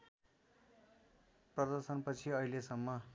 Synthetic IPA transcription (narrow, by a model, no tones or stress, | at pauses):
prʌd̪ʌrsʌnpʌt͡sʰiʌilesʌmːʌ